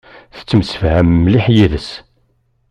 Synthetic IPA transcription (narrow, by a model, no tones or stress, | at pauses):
θə̥t͡sːəməsəfhæmmːliħjiðəs